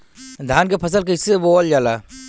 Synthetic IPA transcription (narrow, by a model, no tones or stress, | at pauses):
d̪ʱaːnkepʰɐs̬əlkɐɪseboːld͡ʒaːla